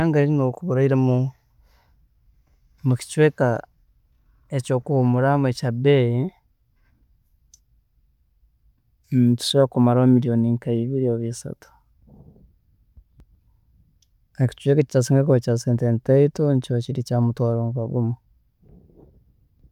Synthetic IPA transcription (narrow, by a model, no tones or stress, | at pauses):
aŋɡainokuβuɾaiɾemu | muci̥t͡ʃweka | ecoːkumuɾamwecabei | ntu̥seβakumaɾaomiɾijoniŋkaiβiɾioβisa̰tu̥ | eki̥t͡ʃwekaeci̥tasiŋɡekocaseːntentaitoncociɾicaːmutwaːɾoːŋkaɡumo